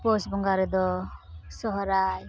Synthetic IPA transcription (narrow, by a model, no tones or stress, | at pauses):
pɔsbɔŋɡaɾɛd̪ɔsɔɦɔɾaj